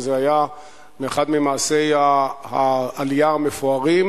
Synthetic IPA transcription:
zeaja | meːχad̪mimaːsejahaːlijaamefoaʁim

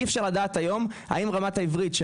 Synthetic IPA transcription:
efʃaʁladaːtajo̞mha̰imʁamataivʁitʃe

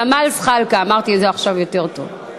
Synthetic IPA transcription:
amalsχalkaːmaʁt̪izeaχʃavjo̞t̪eʁt̪o̞̰v

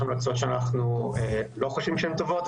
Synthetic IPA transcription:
emlakt͡sot̪ʃeanaχnuelo̞χoʃvimʃɛemt̪o̞vo̞t̪

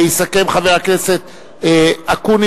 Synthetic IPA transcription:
isake̞mχaveʁakne̞set̪ | akuni

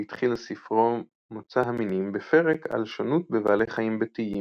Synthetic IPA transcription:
it̪χilsifʁo | mot͡saɦaminimbefe̞ʁeka̰lʃonut̚bevaːleχaimbet̪ii

